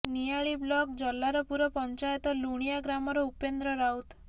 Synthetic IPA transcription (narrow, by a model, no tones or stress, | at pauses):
nijaɭiblɔkd͡ʒɔlːaɾɔpuɾɔpɔɲt͡ʃajɔt̪ɔluɽ̃ijaɡɾamɔɾɔupend̪ɾɔɾawt̪